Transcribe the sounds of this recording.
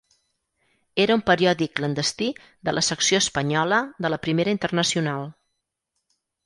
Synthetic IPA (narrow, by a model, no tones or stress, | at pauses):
eɾəumpəɾiɔðikːlənd̪əst̪i | d̪əlʔəsəksioəspəɲɔləðələpɾimeɾəint̪ərnəsiunalˠ